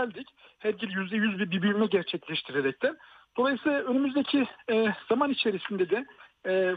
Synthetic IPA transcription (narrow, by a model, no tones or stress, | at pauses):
lʲd̪ic | hæɾɟilʲjyzd̪ɛjyzbiɾbibyymɛɟæɾt͡ʃʰɛclʲɛʃt̪ʰiɾeɾɛc̚t̪ʰæɾd̪̥o̞lˠajɯsɯlˠaønymyzd̪ecʰiɛːz̥amanit͡ʃʰlʲeɾisind̪ed̪ɛɛː